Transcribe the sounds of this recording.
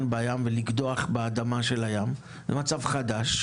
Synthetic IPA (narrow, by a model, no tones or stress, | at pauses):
nbejamveliɡdoaχbead̪amaʃe̞lajam | zɛmat͡savχadaʃ